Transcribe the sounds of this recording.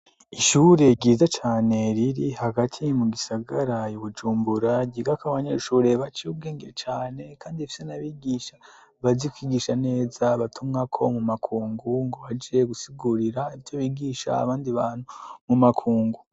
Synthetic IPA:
iʃuɾe̞ɟiːzat͡ʃaːne̞ɾiɾihaɡatʰimuɡisaɡaɾajuβud͡ʒuːmbuɾaɟiɡakaβaɲeʃuːɾe̞βat͡ʃiub̚ɡe̞ːŋɡeɾet͡ʃaːne̞kʰaːndifi̥senaβiɡiːʃa | βazikwiːɡiːʃane̞ːzaβatʰumŋakʰo̞mumakʰuːŋɡuŋɡoβad͡ʒeɡusiɡuɾiɾaiitoβiːɡiːʃa̰ːβaːndiβaːn̥humumakʰuːŋɡu

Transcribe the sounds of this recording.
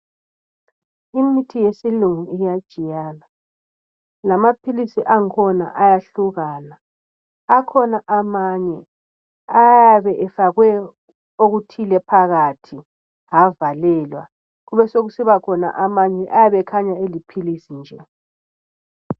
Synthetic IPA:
imitʰijesiluŋuijad̥ʒ̥ʱijaːla | lamapʰilisiʔaŋkʰɔna̰ʔajaɬuɣaːnaː | kʰɔnaʔamaɲɛ | ajaβɛʔɛfaɣwɛ | oɣutʰilɛpʰaɣatʰi | ɦavalɛlwa̰ | ɣuβɛsoɣusiβakʰɔna̰ʔamaɲɛʔajaβɛkʰaɲaelipʰilisind͡ʒʱɛ

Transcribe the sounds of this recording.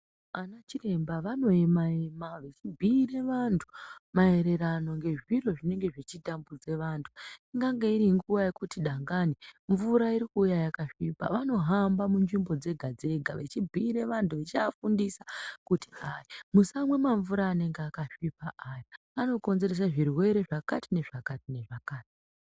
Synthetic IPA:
anat͡ʃire̞mbaʋano̞emaemaʋe̞t͡ʃibʱiːɾe̞ʋantʰu̥mae̞ɾe̞rano̞ŋɡe̞ʐiro̞ʐine̞ŋɡe̞ʐit͡ʃitambud͡ze̞ʋaːntʰu̥iŋɡaŋɡeiɾiŋɡuʋaje̞kutiɗaŋɡaːniɱvuɾaiɾikuːjajakaʂiːpa̰ʋano̞ɦambamund͡ʒimbo̞d͡ze̞ɡʱad͡ze̞ɡʱaʋe̞t͡ʃibʱiːɾe̞ʋantʰuʋet͡ʃiafundisakuti̥aimusamwe̞maɱvuɾaːne̞ŋɡeakaʂipaʔaːja | ano̞ko̞nze̞ɾes̬aʐirwe̞ɾe̞ʐakatʰine̞ʐakatine̞ʐakaːti̥

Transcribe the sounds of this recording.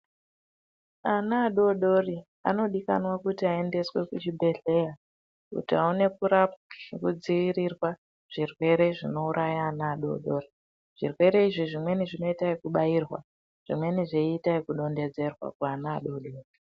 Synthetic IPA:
anaːɗo̞ɗo̞ri | a̰no̞ɗika̰nwakutiae̞nde̞swe̞kut͡ʃibʱe̞ɮe̞ja | kṵtiaune̞puɾapkud͡ziʋiɾirwa | ʐ̥irwe̞ɾe̞ʐino̞uɾʔajaːnaːɗo̞̰ɗo̞ri | ʐ̥irwe̞ɾe̞iʐiʐimwe̞niʐino̞itaikuɓajiːrwa̰ | ʐ̥imwe̞niʐeiːtaikuɗo̞nde̞d͡ze̞rwa̰kaanaːɗo̞ɗoːri

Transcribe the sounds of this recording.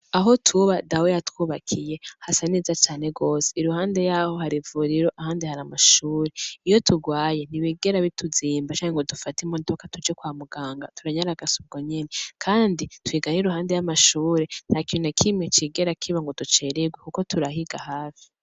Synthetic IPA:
aɦo̞tʰuβadawejatwuːβakʰije̞hasanizat͡ʃaːne̞ɡo̞ːseiɾuhaːnde̞jaho̞ɦaɾivuɾiɾo̞ʔahaːndihaɾamaʃuːɾeijo̞tuɡwaːje̞n̥iβiːɡe̞ɾaβituziːmbat͡ʃaːɲeŋɡo̞dufatimodo̞katud͡ʒekwaːmuɡaːŋɡatuɾaɲaɾaɡasub̚ɡoɲe̞ne̞kʰaːnditwiːɡaniɾuɦaːnde̞jamaʃuːɾen̥hakionakʰimŋet͡ʃiɡe̞ɾakʰiβaŋɡo̞dut͡ʃe̞ːɾeɡwekuko̞tʰuɾaɦiɡahaːfi̥

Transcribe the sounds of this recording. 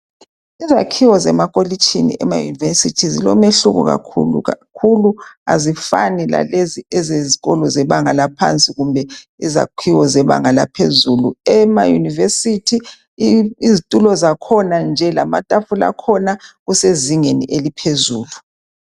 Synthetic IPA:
izakʰiwɔzɛmakʼolit͡ʃʼʰinḭʔɛ̰ma̰jṵnivesitʰizilɔmeɬuɣṵɣa̰kʰṵlṵakʰulua̰zifanila̰leziɛzeziɣɔlɔzɛβaŋalapʰa̰nt͡sʼiɣumbʱɛiza̰kʰiwɔzɛβa̰ŋalapʰezuluɛma̰junivesitʰi | izitʼulɔzakʰɔnand͡ʒʱɛlama̰tʼafula̰kʰɔnaɣuseziŋenḭʔelipʰezuːlu

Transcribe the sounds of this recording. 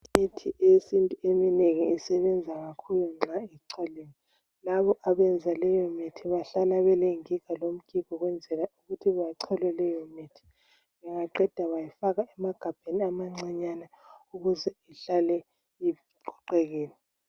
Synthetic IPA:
mitʰiʔesintʼuemineŋiːsɛβɛnd͡zʱaɣakʰuluŋ͡ǁʱaiǀʰɔleni | laβɔʔaβɛnd͡zʱalɛjɔmitʰiβaɬalaβɛleŋikʰalom̩kʼikʰɔɣwɛnd͡zʱɛlauɣutʰiβajǀʰɔlɛlɛjɔmitʰi̥ | βɛŋaǃɛd̥ʱaβajifaɣaɛmaɡ̥ʱab̥ʱeniamaŋ͡ǀaɲana | uɣuzɛiɬalɛ | i | ǃʰɔǃɛɣeːni

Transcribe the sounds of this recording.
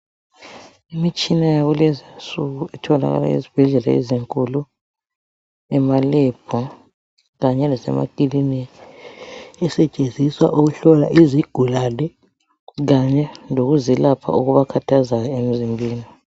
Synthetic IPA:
imit͡ʃʼinajaβulɛzinsuɣuɛtʰɔla̰ɣa̰la̰ḭzib̥ʱɛɮɛla̰ḛziŋkʼulu | ɛmalɛb̥ʱɔ | ɣaɲɛlasɛ̰ma̰ɡ̥ʱilini | ɛsɛt͡ʃʼend͡zʱiswaʔuɣuɬɔla̰ʔiziɡ̥ʱulalɛ | ɣaɲɛnoɣuzilapʰa̰ʔuɣuβakʰatʰazakaem̩zimbʱiːni

